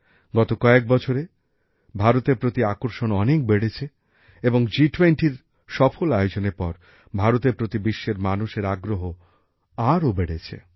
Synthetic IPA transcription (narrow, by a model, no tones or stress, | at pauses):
ɡɔt̪okɔek̚bɔt͡ɕʰoɾe | bʱaɾot̪eɾpɾot̪iakoɾʃonɔnek̚beɽet͡ɕʰe | eboŋd͡ʑiʈweɳʈiɾ | ʃɔfʰolajod͡ʑoneɾpɔ̰ɾ | bʱaɾot̪eɾpɾot̪ibiʃːeɾmanuʃeɾaɡɾoɦo | aɾobeɽet͡ɕʰḛ